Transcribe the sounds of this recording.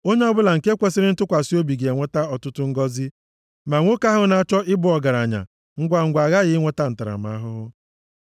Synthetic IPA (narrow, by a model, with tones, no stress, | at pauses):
o˦ɲe˦ɔ˦bʊ˦la˨ŋ̩˨ke˦kʷe˦sɪ˦ɾɪ˦n̩˦tʊ˦kʷa˨si˦o˦bi˨ɡe˨e˨ŋʷe˦ta˦ɔ˨tʊ˦tʊ˦ŋ̩˦ɡɔ˦zi˦ | ma˨ŋʷo˦ka˦ɦʊ˦na˦t͡ʃɔ˦ʔɪ˦bʊ˦ɔ˨ɡa˨ɾa˨ɲa̰˨ | ŋ̩˦ɡʷa˨ŋ̩˨ɡʷa˨ɣa˦ɣɪ˦ŋʷe˦ta˦n̩˨ta˨ɾa̰˨ma̰˦a˦ɦʊ˦ɦʊ˦